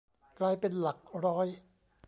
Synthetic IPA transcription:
klaː˧jpe˧nla˨˩k̚ɾɔː˦˥j

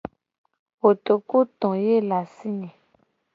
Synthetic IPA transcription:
wo˨t̪o˨ku˦t̪ɔ̃˨je˦la˨si˦ɲɛ̃˨

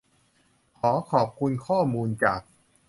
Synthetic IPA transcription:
kʰɔː˩˦kʰɔː˨˩p̚kʰu˧nkʰɔː˥˩muː˧nt͡ɕaː˨˩k̚

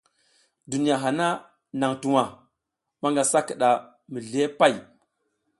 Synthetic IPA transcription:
du˨ni˨a˨ɦa˨na˦ | na˨ŋtu˨wa˨ | ma˦ŋɡa˨sa˦ki˨ɗa˨ | mi˨ɮe˦pa˦˨j

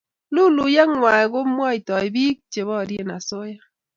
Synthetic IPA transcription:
lu˦lu˨jɛ˦ŋwa˨ɡo˦mwɔ˦i˨tɔ˨i˨bi˦k̚t͡ʃe˨βɔ˦˨ɾje˦na˨so˦ja˦

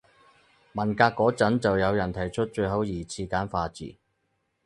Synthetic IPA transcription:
mɐ˨˩nkaː˧kːɔː˨˥t͡sɐ˨˥nt͡sɐ˨wjɐ˨˧wjɐ˨˩nt̪ʰɐ˨˩jt͡ʃʰɵ˥t̚t͡ʃɵ˧ɦɐ˨˥wjiː˨˩t͡sʰiː˧kaː˨˥nfaː˧t͡sḭː˨˩

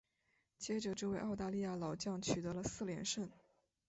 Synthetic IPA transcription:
t͡ɕjɛ˥ʈ͡ʂə˨˩ʈ͡ʂɤ˥˧we˥˧ɪʔɑ˥˧ʊt̪a˥˧li˥˧ja˥˩lɑ˨˩ʊt͡ɕjɑ˥˩ŋt͡ɕʰy˨˩t̪ɤ˧˥lə˧sɹ̩˥˩ljɛ̰˧˥nʂə˥˩n

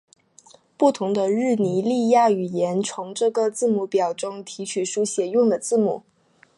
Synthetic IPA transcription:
pu˥˩t̪ʰʊ˧˥ŋd̪ə˧ɻɻ̩˥˩ni˧˥li˥˧ja˥˩y˨˩jɛ˧˥nt͡sʰʊ˧˥ŋʈ͡ʂɤ˥˩ɡə˧t͡sɹ̩˥˧mu˧˩pjɑ˨˩ʊʈ͡ʂʊ˥ŋt̪ʰi˧˥t͡ɕʰy˨˩ʂu˧˥ɕjɛ˨˩jʊ˥˩ŋd̪ə˩t͡sɹ̩˥˩mṵ˨˩˦

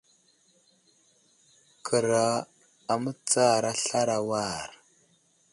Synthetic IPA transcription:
kʰə˨ɾa˨ | a˨mə˦t͡sa˦˨ɾa˦ɬa˦ɾa˨wa˦˨ɾ

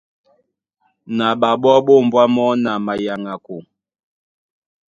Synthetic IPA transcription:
na˨ɓa˨ɓɔ˦ɓo˦˨m̩˨bwa˦mɔ˦na˨ma˨ja˨ŋa˨ko˨

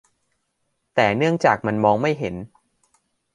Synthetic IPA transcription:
t̪ɛː˨˩nɯ˥˩əŋt͡ɕaː˨˩k̚ma˧nmɔː˧ŋma˥˩jɦe˩˦n

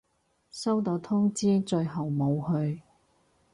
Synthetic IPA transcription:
sɐ˥wt̪o˨˧wt̪ʰʊ˥ŋt͡siː˥t͡ʃɵ˧ɥɦɐ˨wmo˨˧whɵ˧ɥ

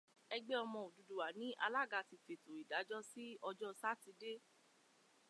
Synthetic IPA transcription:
ɛ˧ɡ͡be˦ɔ˧mɔ̃˧o˨du˨du˨wa˨nĩ˨˦ʔa̰˧la˦˨ɡa˧˨ti˧fe˨to˨i˨da˨˦d͡ʒɔ˦si˦ɔ˧d͡ʒɔ˦sa˦ti˨˧de˦

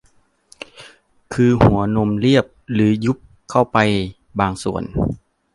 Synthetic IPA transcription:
kʰɯː˧hu˩˦ɐno˧mli˥˩əp̚lɯː˩˦ju˦˥p̚ | kʰa˥˩wpa˧j | baː˨˧ŋsu˨˩ən

